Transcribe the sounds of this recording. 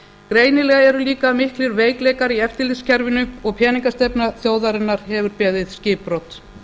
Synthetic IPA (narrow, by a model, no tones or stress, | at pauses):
kɾeːjnɪlɛɣaɛɾʏliːkamɪhklɪɾveːjklɛːjkaɾiɛft̪ɪlɪscaɾvɪnʏɔɣpʰjɛːniŋkast̪ɛpnaθjoːwðaɾɪnːaɾ̥hɛvʏɾpɛːðɪðscɪːpɾowt̪